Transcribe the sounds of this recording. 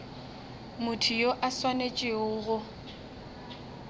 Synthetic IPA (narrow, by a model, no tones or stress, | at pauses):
mʊtʰijoʔaswanet͡ʃʼɪʊɣʊ